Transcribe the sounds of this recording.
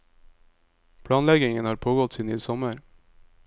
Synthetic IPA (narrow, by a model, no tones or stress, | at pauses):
pʰɽɑːnlɛɡɪŋənhɑːɾpʰoːɡɔt̪siːnyːsɔməɾ